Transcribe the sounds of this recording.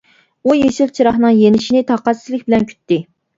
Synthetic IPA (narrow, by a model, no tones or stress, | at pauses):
ujeʃilt͡ʃʰiɾɑχnɨŋjenɪʃinɪt̪ʰɑqɑszlɪk̚ʲbɪlɛnkʲʰy̥t̪ːɪ